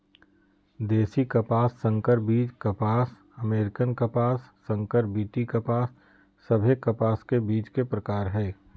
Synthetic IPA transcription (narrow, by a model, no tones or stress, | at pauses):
d̪eːsikɐpaːsːə̃ŋkəɾbiːt͡ʃkɐpaːs | ɐmeːɾɪkənkɐpaːsːə̃ŋkəɾbiːʈikəpaːsː | ɐbʱekɐpaːskebiːt͡ʃkepɾəkaːɾɦɛː